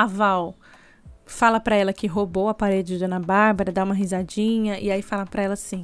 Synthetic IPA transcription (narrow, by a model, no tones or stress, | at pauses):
avaw | falɐpɾɐɛlɐkɪɦobowɐpaɾed͡ʒɪd͡ʒɪdɐnɐbaɾbɐɾɐd̪aũmɐɦizad͡ʒĩɲɐʔɪaifalɐpɾɐɛlɐsĩ